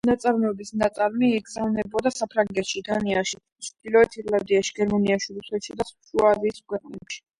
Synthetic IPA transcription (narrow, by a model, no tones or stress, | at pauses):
nat̪sʼaɾmɛbisnat̪sʼaɾmiːɡzavnɛbɔd̪asapʰɾaŋɡɛt̪ʃid̪aniaʃi | t͡ʃʰd̪̥ilˠɔɛt̪ʰiɾland̪iaʃiɡɛɾmaniaʃiɾusɛt̪ʃid̪aʃuaziːskʰwɛqʼnɛpʃi̥